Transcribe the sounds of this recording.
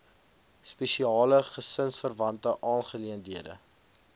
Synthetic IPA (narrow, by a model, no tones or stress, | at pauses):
spɛʃiɑːləχəsənsfərvɐntəʔɑːnχəliəndiədə̰